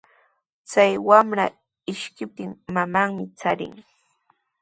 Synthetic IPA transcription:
t͡sajwamɾa | ɪʃkɪp̚t̪ɪŋmamaŋmɪt͡saɾɪ̰ŋ

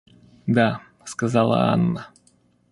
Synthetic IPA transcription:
d̪a | skɐzɑlˠə̰ɑ̰nːə

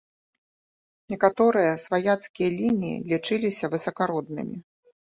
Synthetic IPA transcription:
nʲɛkat̪ɔɾɨjɐsvajat̪skʲijɐlʲinʲijḭlʲit͡ʂɨlʲisʲɐvɨsɐkaɾɔd̪̚nɨ̰mʲi

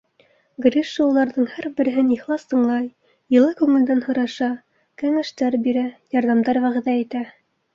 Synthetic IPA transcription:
ɡɾʲiʃːɤulˠɑɾðɤɴhæɾbɘ̆ɾɘ̆ɦɘniχlˠɑst̪ɤ̆ɴlˠɑj | jɤ̆lˠɑkʉŋɘ̆ld̪ænhŏɾɑʃɑ | kæŋæʃt̪æɾbiɾæjɑɾðɑmd̪ɑɾwæʁɘ̆ðæit̪æ

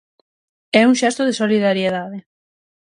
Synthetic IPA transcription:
ɛuŋʃɛst̪ʊðesoliðaɾjeðaðe

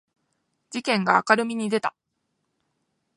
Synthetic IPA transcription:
d͡ʑikẽ̞ŋɡaːkaɾɯ̟mʲiɲ̟id̪e̞t̪a

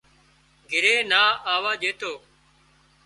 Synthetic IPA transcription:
ɡʱɪɾeːnaːaːʋaːʄeːt̪ʰoː

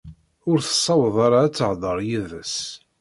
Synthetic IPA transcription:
ʊɾθə̥sˤːɑwəðˤɑɾɑːt͡sːəʕðˤəɾˤjiðəs

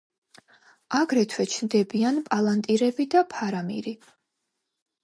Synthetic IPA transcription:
aɡɾɛt̪ʰwɛt͡ʃʰnd̪ɛbianpʼalˠant̪ʼiɾɛbid̪apʰaɾamḭɾi

